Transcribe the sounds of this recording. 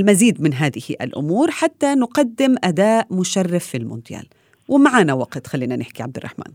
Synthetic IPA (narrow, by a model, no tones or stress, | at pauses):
lmaziːd̪mɪnɦaːðɪhɪ̰ʔa̰lʔʊ̰muːɾħat̪ːanʊqɑd̪ːɪmʔad̪aːʔmʊʃarˤːɑfːilmʊ̰nd̪ɪja̰ːl | wɪmaʕaːnawaqt̪xalːiːnanɪħkiʕab̚d̪ɪrˤːɑ̰ħmʔa̰ːn